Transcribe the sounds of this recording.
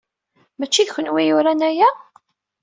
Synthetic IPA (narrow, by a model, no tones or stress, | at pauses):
mæt͡ʃːiðçʷənwijʊɾænæjæ